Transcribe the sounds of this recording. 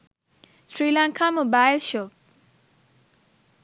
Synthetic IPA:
sɾiːlãŋkʰamobajlʃoːp̚

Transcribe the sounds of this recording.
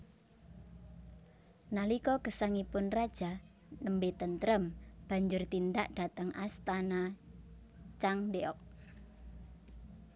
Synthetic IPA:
nalikɔkəsaŋipʊnrad̥ʒ̥a̤ | nəmbet̪ənt̪əɾəmb̥a̤ɲd͡ʒʊrt̪ind̪aʔd̥a̤t̪əŋast̪ana | t͡ʃaŋdeɔk̚

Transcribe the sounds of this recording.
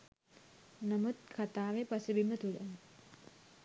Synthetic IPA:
namut̪̚kʰat̪aːʋepasəbimət̪ulə

